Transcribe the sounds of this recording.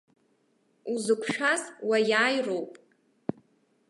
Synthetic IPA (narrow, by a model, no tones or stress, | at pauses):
uzɨkʷʰʂazwajaːjrowpʼ